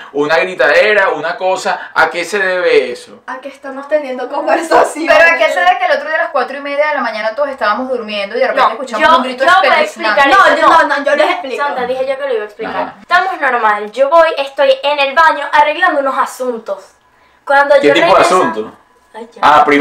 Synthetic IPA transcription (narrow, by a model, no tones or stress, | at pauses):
unaɣɾit̪aðeɾaunako̞saa̰ke̞se̞ðeβeesoakest̪amost̪enjend̪okombeɾsapeɾoakeseðekeelot̪ɾoðelaskwat̪ɾoimeðjaðelamãɲãnat̪oðosest̪aβamozðuɾmje̞nd̪oiaɾnaoeskut͡ʃamouŋɡɾit̪ooβojeksplikaɾonoonoolesesplisant̪aðiheʝo̞keloiβaeksplikaɾt̪amoesno̞ɾmald͡ʒo̞βo̞je̞st̪o̞jene̞lβaɲo̞ʔare̞ɣland̪ouno̞sasunt̪o̞s | kwand̪oeot̪iioðeasunt̪o | apɾi